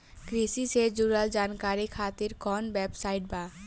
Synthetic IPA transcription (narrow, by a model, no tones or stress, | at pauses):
kɾisised͡ʒuːɾəld͡ʒaːnkaːɾikʰaːt̪ɪɾkɔːnbɛːpsaːɪʈ̚baː